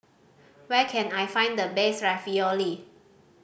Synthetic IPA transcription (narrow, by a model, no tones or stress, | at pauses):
wɛkʰɛ̃najfãɪ̃nd̪əbesɹɛvioli